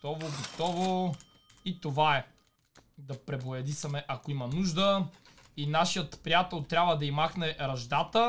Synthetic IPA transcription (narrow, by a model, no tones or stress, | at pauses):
t̪ɔvoɡot̪ɔvo | it̪ovaɛ | d̪ɐpɾɛboɐd̪isɐmɛʔɐkoimɐnuʒd̪ə | inaʃijət̪pɾijat̪ɛlˠt̪ɾʲabvəd̪ɐimaxnɛɾɐʒd̪at̪ə